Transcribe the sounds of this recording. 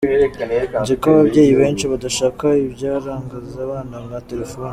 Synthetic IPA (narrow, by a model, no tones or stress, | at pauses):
ɟikaβabɟe̞ːjiβe̞ːnt͡ʃiβadaʃaːkaibɟaːɾaːŋɡazaβaːnaŋɡate̞ɾefo̞ːni